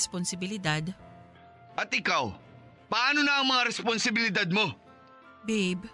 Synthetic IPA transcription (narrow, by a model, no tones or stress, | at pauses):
sponsɪbɪlɪd̪ad̪ | ʔɐt̪ʔɪkaw | pɐʔaːnonaʔɐŋmɐŋaɾɛsponsɪbɪlɪd̪ad̪̚mo̞ | bɛb